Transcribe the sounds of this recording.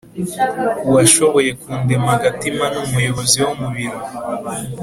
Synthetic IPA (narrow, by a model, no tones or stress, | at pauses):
uwaʃo̞βo̞je̞kuːndemhaɡatimanumujo̞βoziwomuβiɾo